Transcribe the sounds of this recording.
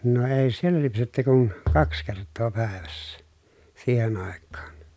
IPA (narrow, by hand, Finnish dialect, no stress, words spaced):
no eˑi̯ sielˑæ lypsetːy kun kɑks kertˑoː pæˑeʋæsːæ siːhen ɑˑekːɑːn